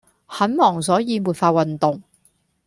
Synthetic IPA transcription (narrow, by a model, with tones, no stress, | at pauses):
hɐ˨˥nmɔː˨˩ŋsɔː˨˥jiː˨˧muː˨˩tfaː˧wɐ˨nt̪ʊ˨ŋ